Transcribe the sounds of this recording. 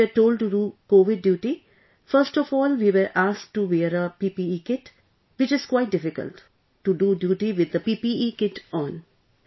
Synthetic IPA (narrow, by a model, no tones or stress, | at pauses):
iəɾʈoːlɖʈuɖukoːʋɪɖ̚ːjuːʈi | fəɾsʈɔfɔːlʋiːʋəɾʔaːsk̚ʈuʋeːəɾəpiːpiːiːkɪʈ | ʋɪt͡ʃɪz̥kwaɪʈ̚ɖɪfɪkə̰lʈː | uɖuːɖjuːʈiʋɪd̪əpiːpiiːkɪʈɔ̃ːn